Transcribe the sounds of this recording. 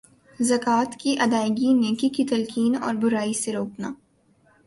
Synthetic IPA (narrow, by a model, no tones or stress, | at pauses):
zɐkaːt̪kiʔɐd̪aːɪɡinẽːkikit̪ɐlkiːnɔ̰ːɾbʊɾaːiseɾoːknaː